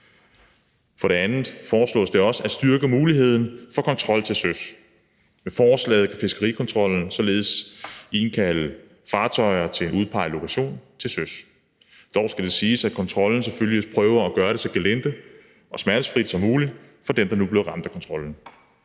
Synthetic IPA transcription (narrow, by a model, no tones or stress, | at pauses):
fɒ̽ɾ̥e̝ænð̩ˠfɒːslɔ̰̽ːsd̥e̝ɒ̽səæsd̥yɐɡ̥əmuːliɦe̝ð̞̰ˠn̩fɒ̽kʰɒ̽nt͡sʰʁɒ̽l̰t͡sʰe̝lsøs | mefɒːslɛ̰ːð̞̩ˠkʰæfe̝sɡ̥ɐʁikʰɒ̽nt͡sʰʁɒ̽l̰n̩sɒ̽le̝ːð̞̩ˠsin̩kʰælə | fɑ̈ːt͡sʰɒɪɐt͡sʰe̝e̝nuðˠpʰɑ̈ɪ̰lo̝kʰæɕo̝̰ːnt͡sʰe̝lsøs | d̥ɒʊsɡ̥æd̥e̝siːsæ̥kʰɒ̽nt͡sʰʁɒ̽ln̩sefølispʰʁœːʊɐæɡ̥ɶːɐɾe̝sɒ̽ɡ̥elen̰d̥ə | ʔɒ̽smæɐɾ̥əsfʁid̥sɒ̽mːuːli̥ | fɒ̽d̥emd̥ɑnub̥le̝ʊʁɑ̈md̥ækʰɒnt͡sʰʁɒ̽ln̩